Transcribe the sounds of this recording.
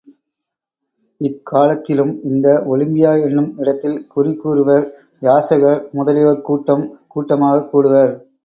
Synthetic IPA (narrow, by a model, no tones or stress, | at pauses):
ɪkʰːaːlɐt̪ːɪlɯmɪnd̪ɐʔɔɭɪmbɪjaːɛɳːɯmɪɽɐt̪ːɪlkʊɾɪkːuːɾɯʋɐɾ | jaːsɐɣɐɾmʊðɐlɪjoːɾkuːʈːɐmkuːʈːɐmaːɣɐkːuːɽɯʋɐɾ